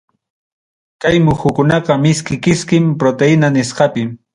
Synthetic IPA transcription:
kajmʊxʊkʊnɑqɑmɪskɪkɪskɪmpɾot̪eɪnanɪsqɑpɪ

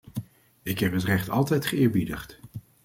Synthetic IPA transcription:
ɪkɦɛpɦətrɛχtɑ̰lˠtɛjtχəɪːɹbidəχt

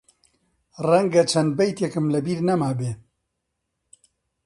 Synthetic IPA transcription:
rɛŋɡɐt͡ʃʰɐnd̪̚bɛjt̪jɛkɨmlɐbiːɾnɐmaːbeː

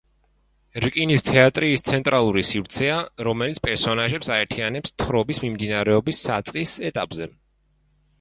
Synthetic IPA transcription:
ɾkʼinist̪ʰɛat̪ʼɾiːst̪sʰɛnt̪ʼɾalˠuɾisivɾt̪sʰɛaɾɔmɛlit̪spʼɛɾsɔnaʒɛpsaɛɾt̪ʰianɛpst̪ʰχɾɔbismimd̪inaɾɛɔbisːat̪sʼqʼisɛt̪ʼapʼzɛ

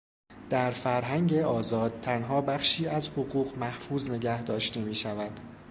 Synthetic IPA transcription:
d̪̥æɾfæɾɦæŋɟe̞ɒːzɒːd̪̥̚t̪ʰænɦɒːbæχʃiːæzhoɣuːɣmæhfuːzne̞ɟæhd̪ɒːʃt̪e̞miːʃævæd̪̥

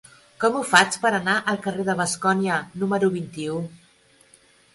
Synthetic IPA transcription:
kɔmufat͡spəɾənaʔəlˠkəreðəβ̞əskɔniənuməɾuβint̪iu

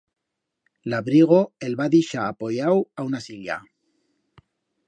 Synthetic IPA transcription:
laβɾiɣ̞oelβaðiʃaːpo̞jawaunasilja̰

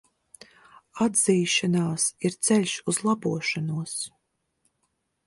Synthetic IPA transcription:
ad̪ziːʃanaːsiɾt̪sɛlʲʃuzlˠabuɔʃanuəs

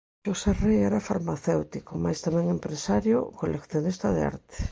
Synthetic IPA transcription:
ʃoserejɛɾafaɾmaθewt̪ikomajst̪amɛ̃ŋempɾesaɾjo̰kolekθjonist̪aðea̰ɾt̪e̥

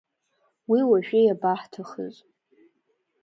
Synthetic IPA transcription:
wiwaʒᶣejabaħtʰaχə̰z

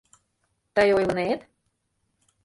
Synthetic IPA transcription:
t̪əjojmɤ̆net̪

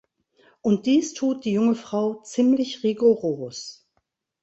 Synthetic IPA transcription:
ʔʊnt̚d̥iːstʰuːt̚d̥iːjʊŋəfʁ̥aʊt͡siːmlɪçʁiɡuʁoːs

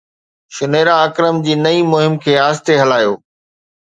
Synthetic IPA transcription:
ʃʊneːɾaɐkɾəmd͡ʑiːnɐimʊɦɪmkʰeːaːst̪eɦɐlaːjoː

